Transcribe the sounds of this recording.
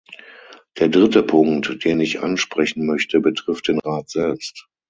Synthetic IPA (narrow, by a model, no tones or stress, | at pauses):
d̥eːɐdʁɪtəpʰʊŋktd̥eːnɪçʔa̰nʃpʁ̥ɛçn̩mœçtʰəbətʁ̥ɪft̚d̥eːnʁaːtz̥ɛlpst